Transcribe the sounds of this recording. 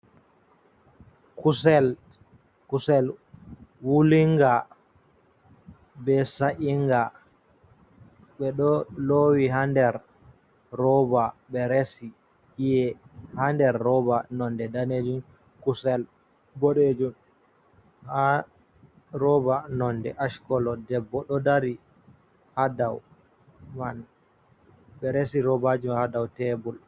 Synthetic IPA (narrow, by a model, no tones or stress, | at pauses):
kusɛl | kusɛl | wuliŋɡa | bɛsaʔiŋɡa | ɓɛɗɔlowiɦandɛɾː | ɔbaɓɛɾesi | ijɛhandɛɾːɔbanɔndɛdaned͡ʒum | kusɛl | boɗed͡ʒum | ha | ɾɔbanɔndɛ̰ʔaʃkɔlɔdɛbːɔɗɔdaɾi | hadaw | man | ɓɛɾesiɾɔbad͡ʒumhadawtɛbul